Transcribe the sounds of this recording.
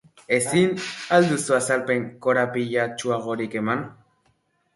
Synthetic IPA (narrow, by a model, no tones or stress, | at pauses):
esinald̪usuasalpeŋkoɾapiʝat͡ʃuaɣoɾikeman